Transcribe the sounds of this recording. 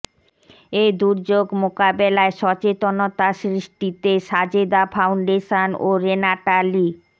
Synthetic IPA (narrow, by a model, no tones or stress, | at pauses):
ed̪uɾd͡ʑoɡmokabelaeʃɔt͡ɕet̪onot̪aʃɾiʃʈit̪eʃad͡ʑed̪afʰawɳɖeʃanoɾenaʈali